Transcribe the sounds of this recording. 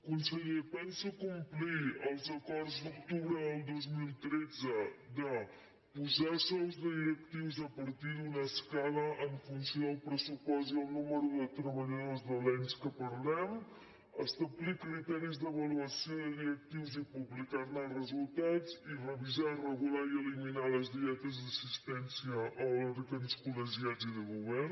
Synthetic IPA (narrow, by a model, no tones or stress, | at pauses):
kunsəʎipɛnsukumpliəlˠzəkɔɾzd̪ukt̪uβɾəðəlˠd̪ozmilˠt̪ɾɛd͡zəd̪ə | puzasɔwzd̪əðiɾəkt̪iwzəpəɾt̪iðunəskaləʔəɱfunsjoðəlˠpɾəsupɔzd̪əlˠnuməɾuðət̪ɾəβəʎəðozðəlɛnskəpəɾlɛm | əst̪əblikɾit̪ɛɾizðəβəluəsioðəðiɾək̚t̪iwzipuβlikaɾnəlˠrəzulˠt̪ad͡zirəβizarəɣulaiəliminaləzðiɛt̪əzðəsist̪ɛnsiəʔolɔɾəkənskuləʒiaziðəɣuβɛr